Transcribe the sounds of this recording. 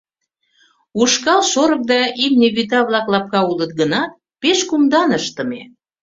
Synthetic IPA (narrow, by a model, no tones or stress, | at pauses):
uʃkɑlʃoɾək̚d̪ɑimnʲeβyt̪ɑβlɑklɑp̚kɑulət̪̚ɡənɑt̪̚ | peʃkumd̪ɑnəʃt̪ə̆me